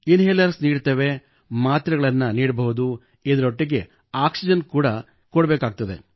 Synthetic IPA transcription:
inɦeljɐɾsniːɽt̪eːʋe̞ | maːt̪ɾɐɡɐɭɐnːɐniːɽbɐɦud̪u | id̪ɐɾoʈːiɡe̞ | aːksid͡ʒɐnkuːɽɐ | kɔɽbeːkaːɡ̚t̪ɐd̪e̞̰

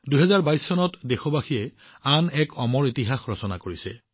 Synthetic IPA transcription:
duɦɛzaɹbajsːɔnɔtdexobaxiɛ | anɛkʰɔmɔɹitiɦaxɹɔsɔna̰koɹisɛ̰

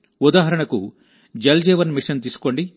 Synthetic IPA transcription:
ud̪aːɦɐɾɐɳɐku | d͡ʒɐld͡ʒeːʋɐnmiʂɐnt̪iːsu̥ko̞ɳɖi

